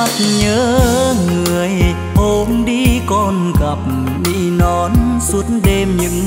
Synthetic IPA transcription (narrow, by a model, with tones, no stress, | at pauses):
a˦t̚ɲəː˨˦ŋɨ˨˩əj | ʔo˨˦mɗi˧kɔ˧nkə˨˩p̚ | ɗḭ˧˥nɔ˨˦nsu˨˦ətnɗe˧mɲɨ̰˧˥ŋ